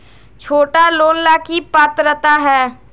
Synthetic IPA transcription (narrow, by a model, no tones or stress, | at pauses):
t͡ʃʰoːʈaloːnlaːkipət̪ɾət̪aɦɛː